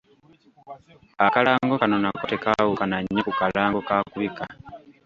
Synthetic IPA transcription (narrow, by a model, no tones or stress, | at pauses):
akalaːŋɡokano̞nakote̞kawukanaɲːokukalaːŋɡo̞kaːkuβika